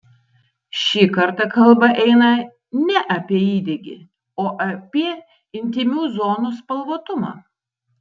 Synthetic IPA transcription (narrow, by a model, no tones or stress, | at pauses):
ʃʲiːkɐɾt̪ɐkɐlˠbɐʔɛɪnɐ | nʲɛʔɐpʲiɛiːd̪ʲɛɡʲɪ̰ | oːʔɐpʲiɛ | ɪnʲt̪ʲɪmʲuːzoːnuːspɐlˠʋoːt̪ʊmɑ̰ː